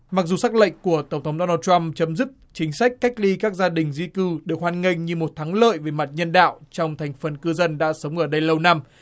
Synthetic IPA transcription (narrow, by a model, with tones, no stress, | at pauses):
ma˨˩zu˨˩sa˦˥k̚lə̰˧˨jŋ̟ku˧˩ət̪ə˧˩wŋ͡mt̪ʰə˨˦wŋ͡mɗo˧naː˧t͡ɕwa˧mt͡ɕə˨˦mzɨ˦˥k̚t͡ɕï˨˦ŋ̟sa˦˥k̟̚ʲka˦˥k̟̚li˧kaː˦˥k̚zaː˧ɗï˨˩ŋ̟zi˧kɨ˧ɗɨ˨˩ək̚hwaː˧˩nŋi˧ŋ̟ɲɨ˧mo˨˩t̚t̪ʰaː˨˦ŋlə̰ː˧˨jve˨˩ma˨˩t̚ɲə˧nɗa̰ː˧˨wt͡ɕɔ˧wŋ͡mt̪ʰa˨˩jŋ̟fə˨˩nkɨ˧zə˧nɗa̰ː˧˥sə˨˦wŋ͡mʔəː˧˩ɗə˧jlə˧wna˧m